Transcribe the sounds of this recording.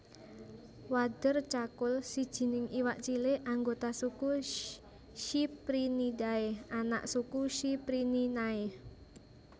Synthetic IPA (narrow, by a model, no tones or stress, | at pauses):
wad̪̥ərt͡ʃakʊlsid̥ʒ̥i̤nɪŋiwaʔt͡ʃileʔaŋɡot̪asuku | ʃipɾinidaeana̰ʔsukuʃipɾininae